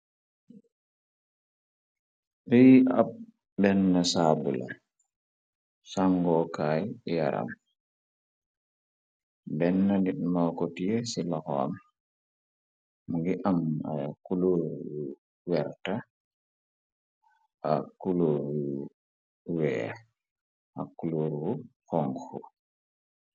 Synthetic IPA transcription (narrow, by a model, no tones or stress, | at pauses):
ɾia̰ | bɛnːasaːbula̰ | saŋɡɔkajja̰ɾa̰m | bɛnːandiɗmawkɔtijɛsilahɔa̰m | ɡiʔamajakuloɾwu | wɛɾta | ʔakuloɾu | wɛa | hakuloɾwuhɔŋhu